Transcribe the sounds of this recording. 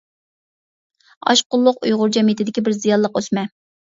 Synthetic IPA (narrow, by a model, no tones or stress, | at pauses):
ɑ̰ʃqʊlˠːʊqujʁʊɾd͡ʒɛmit̪ʰɪd̪ɪkʲibɪɾzijɑlˠːəqøsmɛ